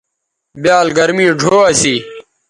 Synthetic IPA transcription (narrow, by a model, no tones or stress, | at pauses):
bjaːlɡɐɾmĩːɖʱoːɐsiː